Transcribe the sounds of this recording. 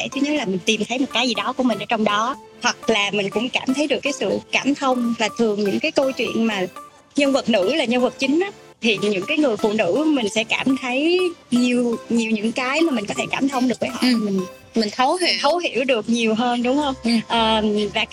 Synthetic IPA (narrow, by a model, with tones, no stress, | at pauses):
e˧˩t̪ʰɨ˨˦ɲə˨˦˥laː˨˩mï˨˩ŋ̟t̪i˨˩mt̪ʰə˨˦jmo˨˩t̚kaː˨˦jzi˨˩ɗɔ˨˦ku˧˩əmï̟˨˩ʔəː˧˦t͡ɕɔ˧wŋ͡mɗɔ˨˦ | hwa˨˩k̚laː˨˩mï˨˩ŋ̟kʊ̰˧˥ŋ͡mkaː˧˩mt̪ʰə˨˦jɗɨ˨˩əkːaː˨˦jsɨ̰˧˨kaː˧˩mt̪ʰə˧wŋ͡mvaː˨˩t̪ʰɨ˨˩əŋɲɨ̰˧˥ŋkaː˨˦jkə˧t͡ɕwḭ˧˨ənmaː˨˩ | ɲə˧nvə˨˩t̚nɨ̰˧˥laː˨˩ɲə˧nvə˨˩t̚t͡ɕï˨˦ŋ̟ʔaː˨˦ | t̪ʰi˨˩ɲɨ̰˧˥ŋkaː˨˦jŋɨ˨˩əjfṵ˧˨nɨ̰˧˥mï˨˩ŋ̟sɛ̰˧˥kaː˧˩mt̪ʰə˨˦jɲi˨˩əwɲi˨˩wɲɨ̰˧˥ŋkaː˨˦jmaː˨˩mï̟˨˩kɔ˨˦t̪ʰe˧˩kaː˧˩mt̪ʰə˧wŋ͡mɗɨ˨˩ək̚vəː˨˦jɦɔ̰˧˨˩mï˨˩ŋ̟ | mï˨˩ŋ̟xə˨˦wxʰə˨˦wɦḭ˧˩əwɗɨ˨˩ək̚ɲi˨˩əwɦəː˧nɗʊ˨˦ŋ͡mhə˧wŋ͡mʔəː˨˩vaː˨˩